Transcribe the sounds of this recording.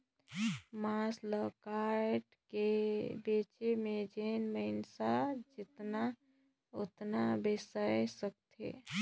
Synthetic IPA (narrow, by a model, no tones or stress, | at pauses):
masləkaɾʈkebet͡ʃemed͡ʒenməɪnsad͡ʒɪt̪na | ot̪nabɪsəjsək̚t̪ʰḛ